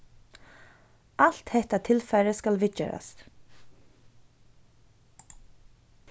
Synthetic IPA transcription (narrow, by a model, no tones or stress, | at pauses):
al̥t̪hɛht̪at̪ʰɪlfɛɾəskalvɪt͡ʃɛ̰ːɾa̰st̪